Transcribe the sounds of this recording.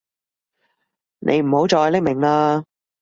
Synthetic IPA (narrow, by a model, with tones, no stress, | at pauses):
nʔḛ˨˧jm̩˨˩ho˨˥wt͡sɔː˧hlɪ˥k̚mɪ˨˩ŋlaː˧